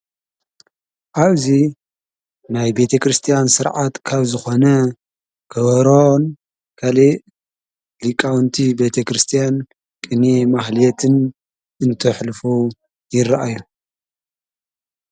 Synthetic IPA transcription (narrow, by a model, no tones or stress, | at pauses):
ʔaβzi | najbe̞t̪ʰɐkɾɨst̪ʰijansɨɾʕat̪kʰaβzɨxonɐ | kʰɐβɐɾon | kʰɐle | likʼawnt̪ʰibe̞t̪ʰɐkɾɨst̪ʰijan | kʼɨnemaxlijɛt̪ʰɨn | ɨnt̪ʰɐħlfu | jɪɾaʔaju